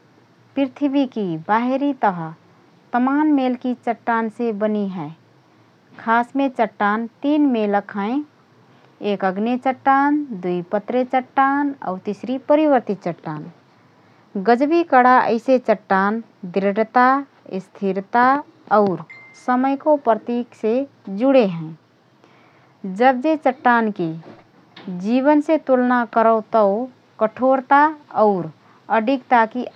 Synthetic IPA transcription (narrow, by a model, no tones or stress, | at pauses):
pɾɪt̪ʰbikibaːɦeɾit̪əɦə | t̪əmaːnmeːlkit͡ʃəʈːaːnsebəniɦɛː | kʰaːsmẽt͡ʃəʈːaːnt̪iːnmeləkʰaẽ | eːkəɡnet͡ʃəʈːaːnd̪uipət̪ɾet͡ʃəʈːaːnɔ̰ːɾt̪isɾipəɾiʋəɾt̪it͡ʃəʈːaːn | ɡəd͡ʒbikəɽaʔə̰ɪset͡ʃəʈːaːn | d̪ɪɾəɖt̪a | ɪst̪ʰiɾt̪a | ɔʊɾ | səməjkopɾət̪iːkse | d͡ʒʊɽeɦɛ̃ | d͡ʒəbd͡ʒet͡ʃəʈːaːnki | d͡ʒiːβənset̪ulnakəɾəʊt̪əo | kəʈʰoːɾt̪aɔʊɾ | əɖʱikt̪aki